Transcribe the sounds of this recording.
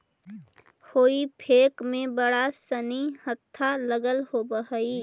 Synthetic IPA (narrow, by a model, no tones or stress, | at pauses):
hoːipʰeːkmẽbəɽasənihət̪ʰːaləɡəlɦobəɦəi